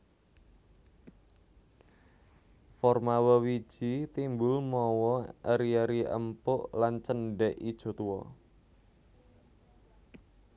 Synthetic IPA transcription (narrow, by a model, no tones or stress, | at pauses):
fɔrmawəwi̥ʒ̥it̪imbʊlmɔwɔəɾiəɾiʔə̰mpʊʔlant͡ʃənɖɛʔid̥ʒ̥ɔ̤t̪uwɔ̰